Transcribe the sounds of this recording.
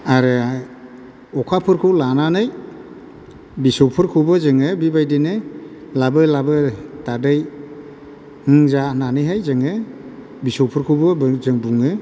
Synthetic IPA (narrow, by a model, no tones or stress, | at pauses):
aɾɯ | ɔkʰapʰɯɾkʰɯwlananɯj | bisɔwpʰɯɾkʰubɯzɯŋɯbibajdinɯlabɯlabɯtadɯj | hɯŋzananɯjɦajzɯŋɯ | bisɔwpʰɯɾkʰubɯzɯŋbuŋɯ